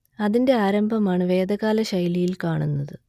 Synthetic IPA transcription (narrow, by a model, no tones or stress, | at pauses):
ɐðinde̞aːɾɐmbʱɐmaːɳɨʋe̞ːd̪ɐɣaːlɐɕɐjlijilkaːɳunːɐðɨ